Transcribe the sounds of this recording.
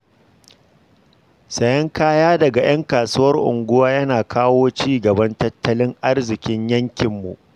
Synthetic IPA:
sɐ˨jɐ˦ŋkaː˦jaː˦dɐ˨ɡa˨j̰ɐ˦ŋkaː˨su˦wɐ˦rʔʊ̰˨ŋɡʷʊ˦waː˦jɐ˦naː˨kʰaː˦woː˦t͡ʃiː˦ɡɐ˨bɐ˦ntɐ˦tʰːɐ˦lɪ˦ŋʔa˦rzɪ˨kʲɪ˦ɲjɐ˦ŋkʲɪ˨mːṵ˨ʔ

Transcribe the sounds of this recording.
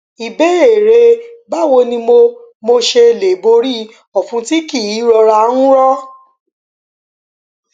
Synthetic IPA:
i˨be˨˦e˨ɾe˧ba˦˨wo˧nĩ˧mo˧mo˧ʃe˧˨le˨bo˧ɾi˦ | ɔ˨fũ˧ti˦ki˦˨i˨˦ɾɔ˧ɾa˧nũ˦ɾɔ˦

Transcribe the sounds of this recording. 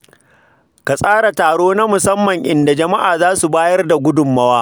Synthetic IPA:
ka˨sʼaː˦ɽa˨taː˨ɽoː˦na˦mʊ˨sɐ˦mːɐ˨ŋʔɪ˨nda˨d͡ʒɐ˨ma˦ʔaː˨zaː˦su˨baː˦jɐ˦rda˨ɡʷʊ˦dʊ˨mːɐ˦waː˦

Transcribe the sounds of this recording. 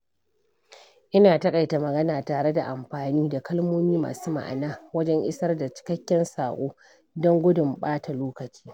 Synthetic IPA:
ʔɪ˦naː˨tɐ˦kʼa˨jta˨mɐ˨ɡɐ˦naː˨taː˨ɽe˦da˨ʔa˨mɸaː˨niː˦da˨kɐ˦lmoː˦miː˦ma̰ː˨suː˦ma̰˨ʔa̰˨naː˦wɐ˦d͡ʒɛ˦ŋʔɪ̰˦sɐ˦rda˨t͡ʃɪ̥˦kɐ˦kʲːɛ˦nsaː˨ʔʷoː˦ | dɔ˦ŋɡʷʊ˦dʊ˨mɓaː˦tʰa˨loː˦kɐ˨t͡ʃi̥ː˦

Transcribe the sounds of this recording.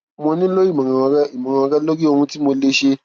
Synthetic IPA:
mo˧nĩ˦lo˦i˦˨mã˨ã˨˧ɡi˨mã˨ã˧a˧ɡa˦lo˦ɡi˦o˧hũ˧ti˦mo˧le˦ʃe˧

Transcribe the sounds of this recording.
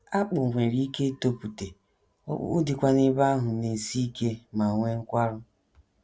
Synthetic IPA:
a˦k͡pʊ˨ŋʷe˨ɾi˦ke˦to˦pu˨tḛ˨˦ | dɪ˨kʷa˦nɪ˦ba˦ɦʊ˨ne˨si˦ke˦ma˨ŋʷe˦ŋ̩˦kʷa˦ɾʊ˦

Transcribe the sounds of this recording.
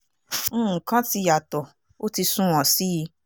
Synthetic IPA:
kã˦ti˧ja˨tɔ˨ | o˦ti˧sũ˦w̃ɔ̃˨si˦i˧

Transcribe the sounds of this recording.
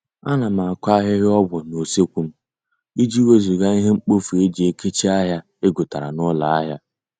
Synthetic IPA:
a˦na˨ma˨a˨kʷa˦ɦɪ˦ɦɪ˦ɔ˦bɔ˨no˨se˦kʷu˨m̩˦ | i˦d͡ʒi˦we˦zu˨ɡa˦i˦ɦe˦ŋ͡m̩˦k͡po˦fu˨e˦d͡ʒi˨e˦ke˦t͡ʃi˦a˦ɦja˦ | e˦ɡʊ˨ta˨ɾa̰˨nʊ˦la˨a˦ɦja˦

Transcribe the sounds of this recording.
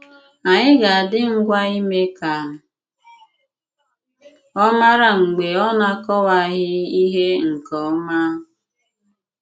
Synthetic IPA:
a˨ɲɪ˦ɡa˨a˨dɪ˦ŋ̩˦ɡʷa˦i˦me˦ka˨nʊ˨ | ɔ˦ma˦ɾa˦ŋ͡m̩˨ɡ͡be˨ɔ˦na˦kɔ˦wa˨ɣɪ˦i˦ɦe˦ŋ̩˨kɔ˨˦ma˦ɦʊ˨

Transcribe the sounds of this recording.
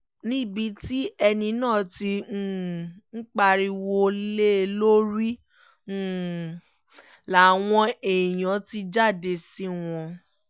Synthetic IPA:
nĩ˦˨bi˧ti˦ɛ˧nĩ˧nãː˦˨ti˧˦˨ŋ̩˦k͡pa˧ɾi˧wo˧le˦˧lo˦ɾi˦ | la˨˦w̃ɔ̃˧e˨j̃ɔ̃˨˦ti˧d͡ʒa˦˨de˧si˦w̃ɔ̃˧

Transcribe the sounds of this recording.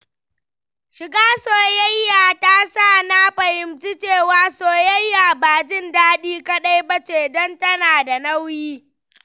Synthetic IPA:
ʃɪ˨ɡaː˦soː˨jɐ˦jːaː˨ta˦sa˦˨na˦ɸɐ˨hɪ˨mt͡ʃi˦t͡ʃeː˦˨waː˦soː˨jɐ˦jːaː˨baː˨d͡ʒɪ˦ndaː˦ɗiː˦kɐ˦ɗa˦jbɐ˦t͡ʃeː˨dɔ˦ntɐ˦naː˨da˨nɐ˦wjiː˦

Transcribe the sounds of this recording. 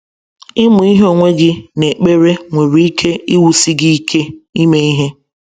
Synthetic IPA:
ɪ˦mʊ˨i˦ɦo˦˨ŋʷe˦ɡɪ˦ne˨k͡pe˦ɾe˦ŋʷe˨ɾi˨i˦kʰe˦i˦wu˨si˦ɡi˦i˦kʰe˦i˦me˦i˦ɦe˦

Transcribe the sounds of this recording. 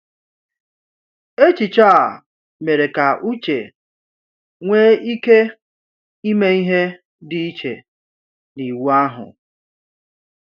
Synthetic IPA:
e˦t͡ʃi˨t͡ʃaː˦˨ | me˨ɾe˨ka˨ʔu˦t͡ʃḛ˨ | ŋʷeː˦i˦ke˦ | i˦me˦i˦ɦe˦ | dɪ˦i˦t͡ʃḛ˨ | ni˨wu˦a˦ɦʊ̰˨

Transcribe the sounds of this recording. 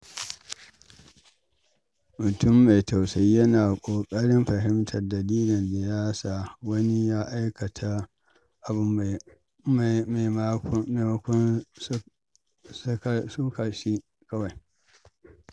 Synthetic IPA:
mʊ˨tʊ˦mːa˨jta˨wsa˦jːɐ˦naː˨kʷʼoː˨kʼɐ˦ɽɪ˦mɸɐ˨ɦɪ˦mtʰɐ˨rdɐ˨liː˦lɪ˨nda˨jaː˦saː˨wɐ˦ni˦jaː˦ʔa˦jkɐ˨tʰa˦ | ʔa˨bʊ˦m˨˦ | ma˨mɐ˦kʷɔ˦n˦ | sksuː˦ka˨ʃi˦ | kɐ˦wa˨j

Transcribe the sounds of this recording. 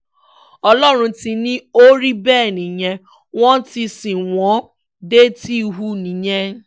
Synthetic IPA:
ɔ˦lɔ˦ɾʊ̃˧n̩˦ti˦nĩ˦o˦ɾi˦bɛː˦˨nĩ˨ɲe˦ | ŋwʷɔ̃˦n̩˦ti˧si˨ŋʷɔ̃˨˦ | de˦ti˦˨ɦu˦ni˨ɲe˦

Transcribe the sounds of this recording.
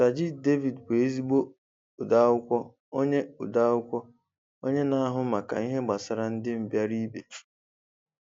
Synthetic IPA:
ta˨d͡ʒi˦de˦vi˨dkʷe˨e˦zi˦ɡ͡bo˦ | ʊ˨da˦ʊ˦kʷɔ˦ | o˦ɲe˦ʊ˨da˦ʊ˦kʷɔ˦ | o˦ɲe˦na˦a˦ɦʊ˦ma˨ka̰˨i˦ɦe˦ɡ͡ba˨sa˨ɾa˨n̩˦dɪ˦m̩˨bja˦ɾi˦be˨

